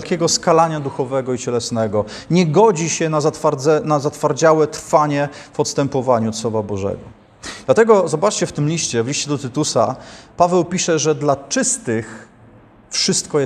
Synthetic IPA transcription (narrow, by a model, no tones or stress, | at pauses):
lkʲɛɡɔskalaɲad̪uxɔvɛɡɔit͡ɕɛlɛsnɛɡɔ | ɲɛɡɔd͡ʑiɕɛnazat̪faɾɛnazat̪faɾd͡ʑawɛt̪ɾfaɲɛ | fɔt̪st̪ɛmpɔvaɲut̪swɔvabɔʐɛ̰ɡɔ | d̪̥lat̪ɛɡɔzɔbat͡ʂt͡ɕɛft̪ɘmlʲiʂt͡ɕɛvliʂt͡ɕɛd̪ɔt̪ɘt̪usa̰pavɛwpʲiʂɛʐɛd̪lat͡ʂɘst̪ɘx | fʂɘst̪kɔjɛ